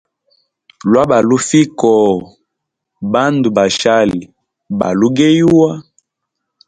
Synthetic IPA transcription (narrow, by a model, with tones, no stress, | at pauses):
lwa˦ba˨lu˦fi˦kɔ˨ | ba˦ndu˨ba˨ʃa˦li˨ | ba̰˨lu˦ɡe˦jwa˦